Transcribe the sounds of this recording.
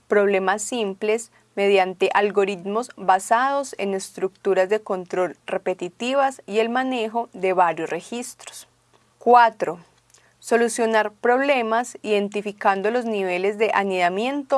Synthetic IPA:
pɾo̞βle̞masːimple̞s | me̞ðjant̪e̞ʔalɡo̞ɾit̪mo̞zbasaðo̞se̞̰ne̞st̪ɾuk̚t̪uɾazd̪e̞ko̞nt̪ɾo̞lre̞pe̞t̪it̪iβasie̞lmane̞xo̞ðe̞βaɾjosrexist̪ɾo̥s | kwat̪ɾo̞ | so̞lusjo̞naɾpɾo̞βle̞masiðe̞nt̪ifikand̪olo̞zniβe̞le̞zd̪e̞ʔaniðamje̞nt̪o

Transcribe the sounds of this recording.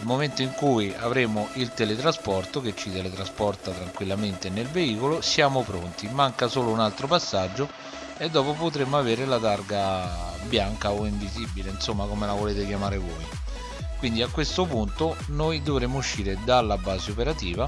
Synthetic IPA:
lmoment̪oiŋkujavɾeːmoʔilt̪elet̪ɾaspɔrt̪ok̟et͡ʃːit̪elet̪ɾaspɔrt̪at̪ɾaŋkwilːament̪enelveiːkolosjaːmopɾont̪imaŋkasoːlounalt̪ɾopasːad͡ʒːo | ed̪ːɔːpopot̪ɾemːoaveːɾelat̪arɡabjaŋkaoiɱvizibileinsomːakomelavoleːt̪ekjamaːɾevɔj | kwind̪iakwest̪opunt̪o | nojd̪ovɾemːouʃːiːɾed̪alːabːaːzeopeɾat̪iːva

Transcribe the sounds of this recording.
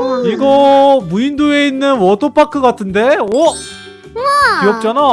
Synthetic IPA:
iɡʌmuindue̞inːɯnwʌtʰopʰakʰɯɡatʰɯnde̞wʌ | kiʌk̚t͡ɕ͈ana

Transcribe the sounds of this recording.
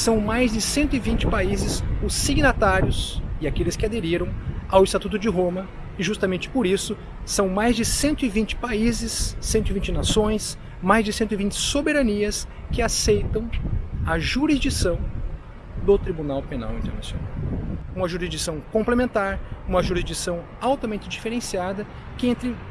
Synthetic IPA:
sɐ̃w̃majzd͡ʒɪsẽnt̪ʊɪvĩnt͡ʃɪ̥paizɪzʊsːiɡnat̪aɾjʊsɪakelɪskɪad̪eɾiɾɐ̃w̃awɪst̪at̪ut̪̬ʊd͡ʒɪɦõmɐ | ɪʒust̪amẽnt͡ʃɪ̥poɾisʊ | sɐ̃w̃majzd͡ʒɪsẽnt̪ʊɪvĩt͡ʃɪ̥paizɪsːẽnt̪ʊivĩnt͡ʃɪnasõj̃s | majzd͡ʒɪsẽnt̪ʊɪvĩnt͡ʃɪ̥sobeɾɐniɐskɪasejt̪ɐ̃w̃ɐʒuɾizd͡ʒisɐ̃w̃ | d̪ʊt̪ɾibunawpena̰wĩnt̪eɾnasjo̰na̰wũmɐʒuɾizd͡ʒisɐ̃w̃kõmplemẽnt̪aɾũmɐʒuɾizd͡ʒisɐ̃w̃ | awt̪ɐmẽnt͡ʃɪd͡ʒifeɾẽsiad̪ɐ | kɪẽnt̪ɾɪ

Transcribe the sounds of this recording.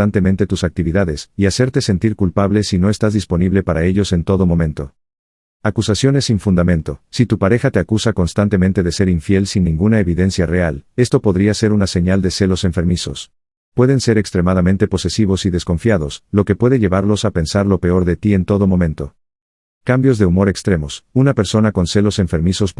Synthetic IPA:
ant̪e̞mẽnt̪e̞t̪usak̚t̪iβiðaðe̞siase̞ɾt̪e̞se̞nt̪iɾkulpaβle̞sino̞e̞st̪azðispo̞niβle̞paɾae̞ʎo̞se̞nt̪o̞ðo̞mo̞mẽ̞nt̪o̞ | akusasjo̞ne̞siɱfund̪amẽ̞nt̪o̞sit̪upaɾe̞xat̪e̞akusako̞nst̪ant̪e̞mẽnt̪e̞ðe̞se̞ɾiɱfje̞lsinːĩŋɡunae̞βiðe̞nsjareale̞st̪o̞po̞ðɾiase̞ɾunase̞ɲald̪e̞se̞lo̞se̞ɱfe̞ɾmiso̞̰s | pwe̞ðe̞nse̞ɾekst̪ɾe̞mað̞amẽnt̪e̞po̞se̞siβ̞o̞siðe̞sko̞ɱfjaðo̞slo̞ke̞pwe̞ðeʝe̞βaɾlo̞sape̞nsaɾlo̞pe̞o̞ɾðe̞t̪ie̞nt̪o̞ð̞o̞mõ̞mẽnt̪o̞ | kambjo̞zðeumo̞ɾe̞kst̪ɾe̞mosunape̞ɾso̞nako̞nse̞lo̞se̞ɱfe̞ɾmiso̞s

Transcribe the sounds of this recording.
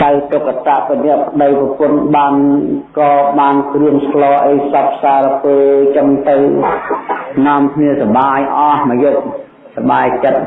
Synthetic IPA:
kawt̪okːat̪aʔpinɛ̆əʔpʰə̆ɗəjprɑpʊnɓaːnkɑːɓaːnkrɨəŋsklɑːʔəjsɑp̚ʰsaːɾpeːlt͡ɕɔŋt̪ɨw | naəmkʰniəsɑɓaːjʔɑhməjuʔ̚ | sɑɓaːjt͡ɕət̪̚

